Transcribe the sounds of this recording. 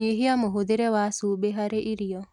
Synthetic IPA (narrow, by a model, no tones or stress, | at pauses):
eɦiamoɦod̪eɾewasubeɦaɾeʔiɾijɔ